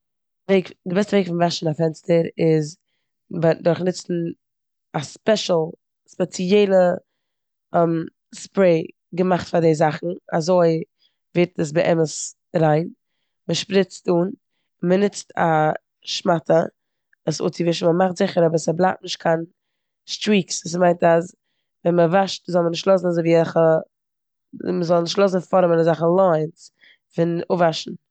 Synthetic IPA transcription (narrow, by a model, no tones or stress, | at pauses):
veɪkdɪbɛstəveɪkfɪnvaʃn̩afɛnstəɾɪz | bdʊɾχnɪt͡sn̩ | aspɛʃl̩ˠ | spɛt͡siɛɪlˠə | ɛm | spɾeɪ | ɡəmaχtfadeɪzaχn̩a̰zoɪ | vɪɾtəs̬bəʔɛ̰məs | ɾaɪn | məʃpɾɪt͡stuːn | mənɪt͡stʰa̰ | ʃmatə | əsʊ̰t͡sivɪʃn̩məmaχtz̥ɪχəɾɔbəɾsəblˠaːt̚nɪʃt̚kʰan | stɾiːksvuːs̬maɪntas | vɛnməvaʃtzɔlˠmənɪʃtlˠɔsn̩azoɪviːzaχə | məzɔlˠnɪʃtlˠosn̩fɔɾəmɪnəzaχəlˠɔɪns | fɪnʊvaʃn̩